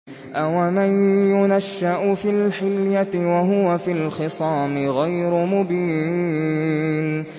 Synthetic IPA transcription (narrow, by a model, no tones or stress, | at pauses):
ʔawamanjʊnaʃːaʔʊfilħɪljaɪwaɦʊwafilxɪsˤɑːmɪɣajɾʊmʊbiː | n